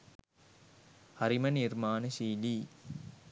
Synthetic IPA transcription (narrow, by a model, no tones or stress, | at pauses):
hɐɾimɐnirmaːnəʃiːliː